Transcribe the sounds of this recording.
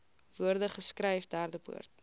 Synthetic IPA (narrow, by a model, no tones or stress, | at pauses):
v̥uərdəχəskrəjfdærdəbṵərt̚